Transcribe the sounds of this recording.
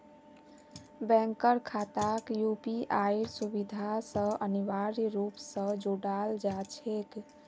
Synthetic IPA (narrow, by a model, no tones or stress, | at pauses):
bɛ̃ŋkəɾkʰat̪akjupiʔaiɾsubid̪ʱasə̃əniʋaɾɾupsə̃d͡ʒoɽald͡ʒat͡ʃʰek